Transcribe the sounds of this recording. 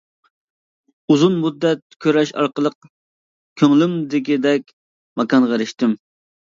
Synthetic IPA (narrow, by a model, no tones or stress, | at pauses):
uzunmud̪ːɛt̪̚kʲʰøɾɛʃɑ̰ɾqəlˠəq̚ | kʲʰøŋlymd̪ɪkʲid̪ɛkʲ | mɛkɑnʁəɾɪʃt̪ɪm